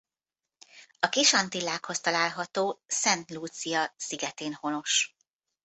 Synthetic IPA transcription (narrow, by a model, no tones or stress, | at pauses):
ɒkiʃɒnt̪ilːaːkho̞st̪ɒlaːlɦɒt̪oːsɛnt̪luːt̪sijɒsiɡɛt̪eːnho̞no̞ʃ